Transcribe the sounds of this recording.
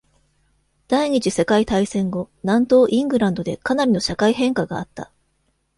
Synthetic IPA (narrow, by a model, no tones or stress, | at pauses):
d̪̥aiɲ̟it͡ɕise̞kait̪aisẽ̞ŋɡo̞nãnt̪o̞ːʔĩŋɡɯ̟ɾãnd̪o̞d̪e̞kanaɾʲino̞ɕakaiɦẽ̞ŋkaɡaːt̪ːa̰